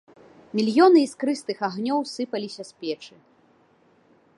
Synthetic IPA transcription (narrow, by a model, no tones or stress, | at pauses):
mʲilʲjɔnɨiskɾɨst̪ɨxaɣnʲɔwsɨpɐlʲisʲɐsʲpʲɛt͡ʂɨ